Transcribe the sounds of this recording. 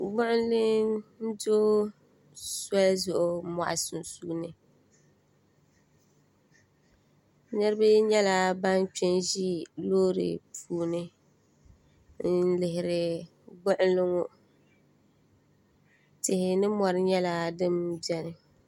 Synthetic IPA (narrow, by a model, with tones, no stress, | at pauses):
ɡ͡bʊ˦ʔɪ˦n˦lɪ˦ŋn̩˦doː˦ | sɔ˦lzʊ˨ʔʊ˨ma̰˨ʔa˨sʊ˨n˨suː˦nɨ˨ | nɨ˦ɾɨ˦bɨ˦ɲɛ˦la˦ba˦n˦t͡ʃɪ˦nʒi˦loː˦ɾɨ̰˨pʰuː˨nɨ˦ | n̩˦lɪ˨ɦɪ˨ɾɪ˨ | ɡ͡bʊ˦ʔɪ˦n˦lɪ˦ŋʊ˦ | tɪ˨hɪ˨nɨ˦mɔ˨ɾɪ˦ɲɛ˦la˦dɨ˦mbɛ˦nɨ˨